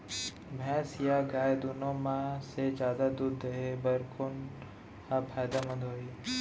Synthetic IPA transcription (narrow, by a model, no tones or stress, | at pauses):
bʱɛ̃ːsijaɡaːd̪ʊnõmãsed͡ʒjaːd̪ad̪ud̪ʱːəɦebɐɾkʊn | kapʰaːjd̪amɐ̃d̪ɦoːiː